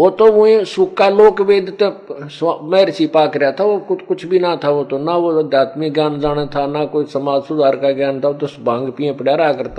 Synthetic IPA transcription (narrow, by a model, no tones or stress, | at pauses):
oːt̪õːʊẽːsʊːkːaːloːkʋeːd̪t̪ẽsmɛːɾt͡ʃiːpaːkɾɪjaːt̪ʰaːoːkʊt͡ʃʰbiːnãːt̪ʰaːoːt̪õːnãːoːəd̪jaːt̪miɡjaːnd͡ʒaːñeːt̪ʰaːnaːkoːiːsəmaːd͡ʒsʊd̪aːɾkaːɡjaːnt̪ʰaːoːt̪õːsbãːŋɡpiːẽːpəɽjaːɾaːkəɾt̪aː